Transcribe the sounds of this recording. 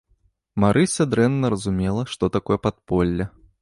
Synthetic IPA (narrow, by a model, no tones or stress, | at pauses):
maɾʔɨsʲɐd̪ɾɛnːɐɾɐzumʲɛlˠɐʂt̪ɔt̪akɔjɛpat̪̚pɔlʲːɐ